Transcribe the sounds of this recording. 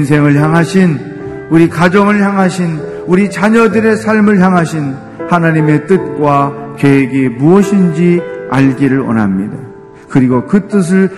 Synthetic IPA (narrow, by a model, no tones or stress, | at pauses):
ns̬ʰe̞ŋɯɭçjaŋɦaɕʰin | uɾikad͡ʑʌŋɯɭçjaŋɦaɕʰin | uɾit͡ɕaɲʌdɯɾe̞sʰaɭmɯɭçjaŋɦaɕʰin | hanaɲime̞t͈ɯt̚k͈wakeɦeɡemuʌɕʰind͡ʑia̰ɭɡiɾɯɭʌ̰na̰mɲida | kɯɾiɡokɯt͈ɯs̬ʰɯɭ